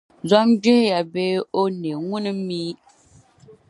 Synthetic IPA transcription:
za˦md͡ʒe˦hja˨be˦o˦ne˨ŋu˦nɨ˨˦miː˦

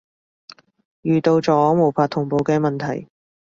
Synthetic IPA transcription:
jyː˨t̪o˧wt͡ʃɔː˨˥˨mo˨˩wpʰaː˧t̪ʰʊ˨˩ŋpo˨˧wkɛː˧mɐ˨nt̪ʰɐ˨˩j

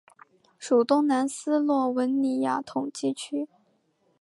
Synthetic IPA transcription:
ʂu˨˩t̪ʊ˥ŋna˧˥nsɹ̩˥lwɔ˥˩wə˧˥nni˧˨˥ja̰˨˥˩t̪ʰʊ˨˩ŋt͡ɕi˥˩t͡ɕʰy˥

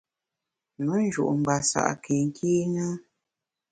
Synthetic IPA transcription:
mə˦n̩˦d͡ʒṵ˨ʔm̩˨ba˨sa̰˦˨ʔke˨ŋ̩˦kʰi˦ŋa˦

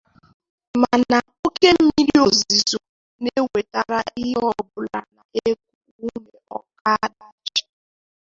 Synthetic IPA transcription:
ma˨na˨o˦ke˦m̩˦mi˦ɾi˦o˨zi˨zo˨ | ne˦we˨ta˦ɾa˦i˦ɦɔ˦bʊ˨la˨na˨ʔe˦k̚u˨ | u˦ne˨ɔ˨ka˦da˨t͡ʃḁ˨

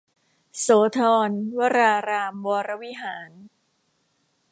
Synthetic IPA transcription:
soː˩˦t̪ʰɔː˧nwa˦˧ɾaː˧ɾaː˧mwɔː˧ɾa˦˧˥wi˦˥ɦaː˩˦n

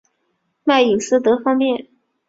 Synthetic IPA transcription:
ma˥˩ɪi˨˩ŋsɹ̩˥t̪ɤ˧˥fɑ˥ŋpjɛ˥˩n

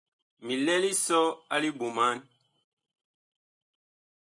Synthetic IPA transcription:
mi˨lɛ˦li˦sɔ˦a˦li˦bu˨ma˦n

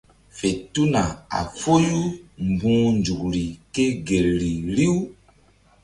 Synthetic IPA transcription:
fe˨tu˦na˨a̰˨fo˦ju˦m˨bũː˦nd͡ʒu˨k̚ɾi˨ke˦ɡe˨lɾi˨ɾi˦w

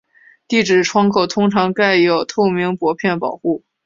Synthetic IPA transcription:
t̪i˥˩ʈ͡ʂɻ̩˨˩ʈ͡ʂʰwɑ˥ŋkʰo˨˩ʊt̪ʰʊ˥ŋʈ͡ʂʰɑ˧˥ŋka˥˩ɪjo˨˩ʊt̪ʰo˥˩ʊmi˧˥ŋpwɔ˧˥pʰjɛ˥˩npɑ˨˩ʊxu˥˩

